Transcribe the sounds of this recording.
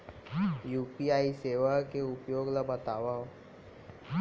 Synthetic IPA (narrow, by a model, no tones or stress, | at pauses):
juːpiaːiseːʋakeʊpjoːɡlabət̪aːʋa